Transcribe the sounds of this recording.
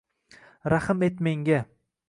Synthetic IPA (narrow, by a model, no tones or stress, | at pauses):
ɾaχɨmet̪meŋɡʲa